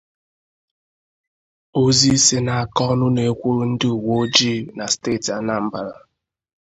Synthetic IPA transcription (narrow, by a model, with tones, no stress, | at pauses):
o˦zi˦se˦na˨a˨kɔ˦nʊ˦ne˨kʷo˦ɾn̩˦dɪ˦u˨wo˦d͡ʒi˦˨na˨steː˦˨ta˨˦na˦m̩˦ba˨ɾa̰˨